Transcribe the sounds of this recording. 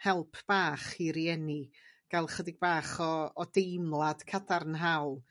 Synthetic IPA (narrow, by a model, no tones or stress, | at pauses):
hɛlˠpʰb̥aːχiɾiɛniɡ̥alˠχədɪɡ̚baːχɔːdejmlˠad̥kʰadarnɦawlˠ